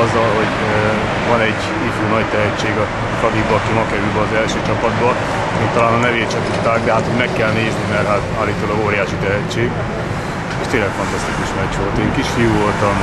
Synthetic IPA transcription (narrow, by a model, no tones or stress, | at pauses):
ɒzːɒlɦo̞ɟ | vɒnɛɟ | ifuːnɒɟt̪ɛɦɛt͡ʃːeːɡɒ | kɒd̪ibɒkimɒkɛɾylbɛɒzɛlʃøːt͡ʃɒpɒd̪bɒ | eːnt̪ɒlaːnɒnɛveːt͡ʃɛt̪ut̪ːaːɡ̚d̪ɛɦaːt̪hoɟmɛkːɛlneːznimɛrɦat̪aːlːiːt̪olɒɡoːɾijaːʃit̪ɛɦɛt͡ʃːeːɡ | eːʃt̪eːnlɛkfɒnt̪ɒst̪ikuʃnɒcʋo̞lt̪eːŋkiʃfiuvo̞lt̪ɒm